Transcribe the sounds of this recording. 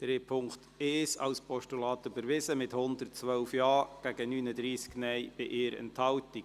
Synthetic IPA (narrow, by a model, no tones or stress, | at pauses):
d̪̥ɾeːpʰʊŋkt | eːsɑ̰wspʰɔʃtulɑːtybəɾʋɪsəmɪthʊndərtt͡sʋœʊfjɑːɡ̥æɡ̥ənyːnədɾiːsɡ̥nɛjb̥ɪʔɪːɾɛ̰nthɑlti̥